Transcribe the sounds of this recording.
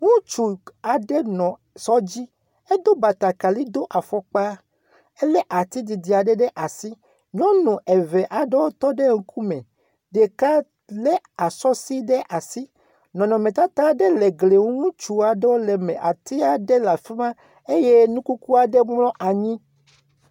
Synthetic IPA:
ŋũ˦t͡ʃu˨a˨ɖe˦nɔ̃˨ | sɔ˦d͡ʑi˦ | e˦d̪o˦ba˨t̪a˨ka˨li˦d̪o˦ʔa˨fɔ˦k͡pa˦ | e˦le˦ʔa˨t̪i˦d̪i˨d̪i˨a˨ɖɛ˦ɖɛ˦ʔa˨si˦ | ɲɔ̃˦nũ˨ʔe˨ve˨ʔa˨ɖɛ˦wo˦t̪ɔ˦ɖe˦ŋ̩˦ku˦mẽ˨ | ɖe˨ka˦ | le˦ | a˨sɔ˦si˦ɖɛ˦ʔa˨si˦ | nɔ̃˨nɔ̃˨mẽ˨t̪a˦t̪a˦ɖe˦le˨ɡle˨ŋ˦ŋũ˦t͡ʃu˨a˨ɖe˦wo˦lɛ˨mẽ˨ʔa˨t̪i˦a˨ɖe˦la˨fi˦mã˦ | e˦je˦nũ˦ku˦ku˦a˨ɖe˦mlɔ̃˦ʔa˨ɲĩ˦

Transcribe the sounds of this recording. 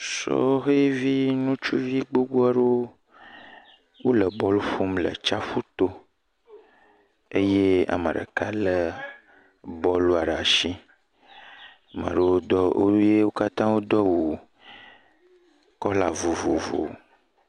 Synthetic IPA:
sɔ̰˦ɦe˦vi˦nũ˦t͡ʃu˦vi˦ɡ͡bo˦ɡo˦a˦ɖo˦ | wo˦lə˨bɔ˦lu˦ɸo˦mlə̰˨t͡ʃa˦ɸu˦t̪o˦ | e˦je˦a̰˨mə̰̃˨ɖə̰˨ka˦lə˨ | bɔ˦lu˦a˨ɖa˨ʃi˦ | a˨mə̰˨ɖə˨˦wo˦d̪ɔ˦o̰˦je˦wo˦ka˦t̪ã˦wo˦d̪ɔ˦wo˨ | kɔ˦la˨vo˨vo˨vo̰˨

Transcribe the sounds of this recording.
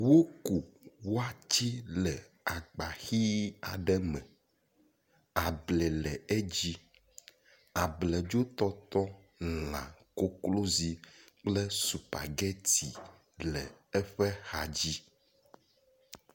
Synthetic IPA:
wo˦ku˨wo˦a˦t͡ɕi˦lɛ˨ | a˨ɡ͡ba˨xi˦a̰˨ɖɛ˦mɛ̰̃˨ | a˨blɛ˨lɛ˨ɛ˦d͡ʑi˦ | a˨blɛ˨d͡ʒo˦t̪ɔ˦t̪ɔ˦ | lã̰˨ko˦klo˦zi˨k͡plɛ˦su˨pa̰˨ɡɛ˦t̪i˨ | lɛ̰˨ɛ˦ɸɛ˦xa˨d͡ʑi˦

